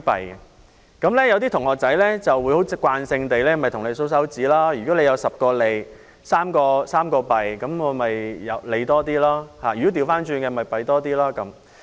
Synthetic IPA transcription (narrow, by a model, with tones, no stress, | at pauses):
pɐ˨˩j | kɐ˨˥mlɛː˥jɐ˨˧wt̪̬iː˥t̪ʰʊ˨˩ŋhɔː˨˩k̚t͡sɐ˨˥jlɛː˥t͡sɐ˨wu˨˧jho˨˥wt͡sɪ˨˥kʷːwaː˧nsɪ˧ŋt̪e˨jlɛː˥mɐ˨˩jt̪ʰʊ˨˩ŋle˨˧jso˨˥ws̬ɐ˨˥wt͡siː˨˥laː˥jy˨kɔː˨˥le˧jɐ˨˧wsɐ˨p̚kɔː˧le˨j | saː˥mkɔː˧saː˥mkɔː˧pɐ˨jkɐ˨˥mŋɔː˨˧mɐ˨jjɐ˨˧wle˨˧jt̪ɔː˥t̪iː˥laː˥haː˨˩jy˨kɔ˨˥t̪i˧wfaː˥nt͡ʃyː˧nkɛː˧mɐ˨jpɐ˨˩jt̪ɔː˥t̪̬iː˥laː˥kɐ˨˦m